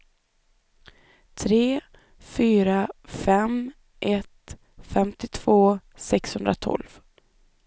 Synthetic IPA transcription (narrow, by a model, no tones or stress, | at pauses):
t̪ʰɾeː | fyːɾafɛm | ʔɛt̪ | fɛmt̪ɪt̪ʰv̥oː | sɛkshɵnd̪ɾa̰t̪ʰɔ̰lv